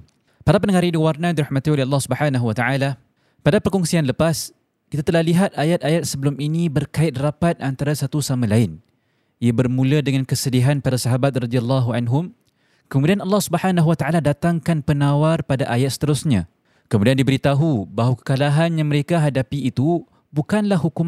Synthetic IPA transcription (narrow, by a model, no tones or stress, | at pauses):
paɾapənəŋaɾidiwarnadiɾahmãt̪iolɛɦɑlːɑhsubəħanaɦuwat̪aʕala | padapərkɔŋsianləpas | kit̪at̪əlahliɦat̪̚ajat̪̚ajat̪̚səbəlʊminibərkaɪt̪̚rapat̪̚ʔant̪aɾasat̪usamãlaɪn | iabərmũladəŋankəsədiɦanpaɾasaɦabat̪̚rɑd̪ialːaɦuanɦʊm | kəmudianɑlːɑhsubəħanaɦuwat̪aʔaladat̪aŋkanpənawarpadaʔajat̪̚sə̥t̪əɾʊsɲã | kəmũdiandibəɾit̪aɦubaɦwakə̥kalaɦanjaŋməɾekaɦadapiːt̪u | bukanlahɦukum